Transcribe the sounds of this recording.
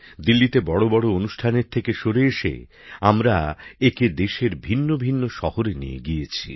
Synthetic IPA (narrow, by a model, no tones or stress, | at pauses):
d̪ilːit̪ebɔɽobɔɽoonuʃʈʰaneɾt̪ʰekeʃoɾeeʃḛ | amɾaeked̪eʃeɾbʱinːobʱinːoʃɔhoɾenḭjḛɡiet͡ɕʰi